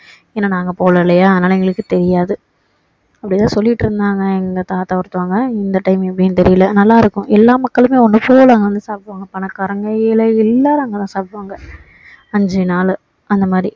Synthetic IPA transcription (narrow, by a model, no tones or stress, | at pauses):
eːnːaːnaːŋɡɐpoːlɐlɐjaːɐðɐnaːlɐɛŋɡɐɭɯkːɯt̪ɛɾɪjaːðɯ | ɐpːɐɽɪt̪ːãːsɔlːɪɪʈːɯɾɯnd̪aːŋɡɐɛŋɡɐt̪aːt̪aːkɐɾɯt̪ːɯʋaːŋɡɐɪnd̪ɐʈɐɪmpːɐɽinːɯt̪ɛɾɪjɪlɐnɐlːaːɪɾɯkːʊ̃ʔɛlːaːmɐkːɐɭɯmeːɔnːɯpoːlaːŋɡɐʋɐnd̪ɯsaːpʋaːŋɡɐpɐnɐkɐɾɐŋɡɐjɪlɐɪlːaːɾaːŋɡɐt̪ãːsaːpʋaːŋɡɐ | ɐɲd͡ʒinaːl | ɐnd̪ɐmaːd̪ɾi